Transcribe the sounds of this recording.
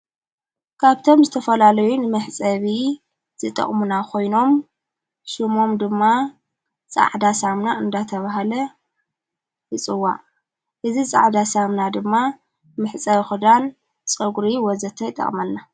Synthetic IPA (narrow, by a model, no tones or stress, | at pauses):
kʰaβt̪ʰo̞mzɨt̪ʰɐfɐlalɐjunɨmɨħt͡sʼɐβi | z̥ɨt̪ʼɐ̰χʼmunakʰo̞jno̞m | ʃɨmo̞md̪ɨmːa | t͡sʼa̰ʕd̪asamnaɨnd̪at̪ʰɐβaɦalɐ | ɨt͡sʼɨwa̰ | ʔɨzisʼa̰ʕd̪asamnad̪ɨmːa | mɨħt͡sʼɐβxud̪an | t͡sʼɐɡɾiwɔzɐt̪ʰɐjt̪ʼːɐ̰χʼmɐlːa